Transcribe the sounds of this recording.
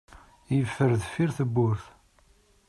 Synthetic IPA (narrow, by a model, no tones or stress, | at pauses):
jəfːəɾðfiɾθəbːʊɾθ